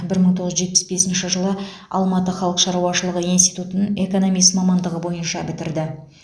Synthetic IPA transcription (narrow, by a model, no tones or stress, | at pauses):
bɪɾməɴt̪ʰo̞ʁzʒe̞t̪pɪ̥sbe̞sɪnʃɪʒəlˠə | ɑlˠmɑt̪əχɑlˠəqʃɑɾuwɑʃəlˠəʁəinst̪ijt̪ut̪ənəɴe̞ko̞no̞mijsmɑmɑnd̪əʁəbo̞jənʃɑbɪt̪ɪɾd̪ɪ